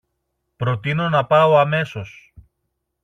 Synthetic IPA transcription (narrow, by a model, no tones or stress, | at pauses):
pɾo̞t̪ino̞nɐpɐo̞ɐme̞so̞s